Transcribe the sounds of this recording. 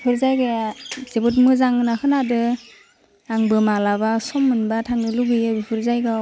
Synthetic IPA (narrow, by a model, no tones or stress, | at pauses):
pʰɯɾzajɡez̥ebɯt̬̚mɯzaŋnakʰɯnadɯ | aŋbɯmalabasɔmːɯnbatʰaŋnɯluɡɯjɯbipʰɯɾzajɡa